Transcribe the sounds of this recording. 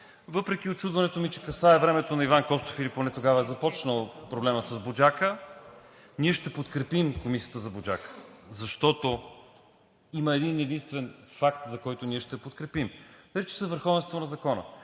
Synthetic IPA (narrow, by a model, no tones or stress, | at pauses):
vɤpɾɛk̟iot͡ʃud̪vɐnɛt̪omit͡ʃɛkɐsaɛvɾɛmɛt̪onɐivankɔst̪ofiliponɛt̪oɡavɐɛzɐpɔt͡ʃnəlˠpɾoblɛməsɐzbod͡ʒakə | niɛʃt̪ɛpot̪kɾɛpimkomisijət̪əzɐbod͡ʒakə̥zɐʃt̪ɔt̪o | iməɛd̪inɛd̪inst̪vɛnfakt̪zɐkɔjt̪oniɛʃt̪ɛpot̪kɾɛpimnɐlit͡ʃɛ̥sɛvəɾxɔvɛnst̪vonɐzɐkɔnə̰